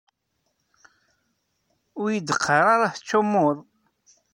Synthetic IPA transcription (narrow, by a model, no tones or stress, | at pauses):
ʊɾjəd̪əqʰːɑɾˤɑɾˤaθət͡sːʊmːoðˤ